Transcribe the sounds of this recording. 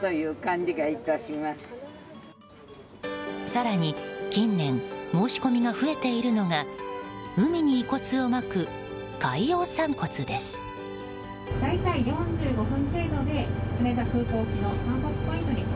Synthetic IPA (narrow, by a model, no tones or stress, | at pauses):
t̪ojɯːkãɲd͡ʑiɡait̪aɕimasɨ̥ | saɾaɲ̟ikʲĩnːẽ̞ŋmo̞ːɕi̥ko̞mʲiɡaɸɯ̟e̞t̪e̞iɾɯ̟no̞ŋa | ɯ̟mʲiɲ̟iːko̞t͡sɨo̞makɯ̟ | kaio̞ːsãŋko̞t͡sɨd̪e̞sɨ̥ | d̪ait̪aijõ̞ɲd͡ʑɨːɡo̞ɸɯ̟̃npe̞ːd̪o̞d̪e̞ɯmet̪akɯ̟ːko̞ːkʲino̞saːt̪ospoit̪oɲʲi